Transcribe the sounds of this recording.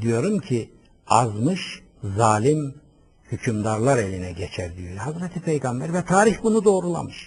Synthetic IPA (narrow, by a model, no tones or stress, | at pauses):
d̪ijo̞ɾumcʰi | azmɯʃ | zaːlʲim | hycʰymd̪aɾlˠaɾelʲinɛɟet͡ʃʰæɾd̪ijohazɾɛt̪ʰipʰejɡambæɾvɛt̪ʰaːɾiçbunud̪o̞ːɾulˠa̰mɯʃ